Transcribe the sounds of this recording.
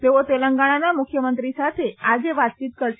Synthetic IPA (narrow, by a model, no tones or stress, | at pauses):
t̪eʋot̪eləŋɡaɽ̃anamukʰjəmənt̪ɾisat̪ʰead͡ʑeʋat̪̚t͡ɕiːt̪̚kəɾ